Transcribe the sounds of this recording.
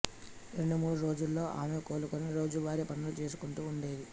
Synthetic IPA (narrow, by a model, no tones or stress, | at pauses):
ɾe̞ɳɖumuːɽuɾo̞ːd͡ʒulːo̞ːʔaːme̞ːko̞ːlukoniɾo̞ːd͡ʒuʋaːɾipɐɳːulut͡ʃe̞ːs̬u̥kuɳʈuːɳɖe̞ːd̪i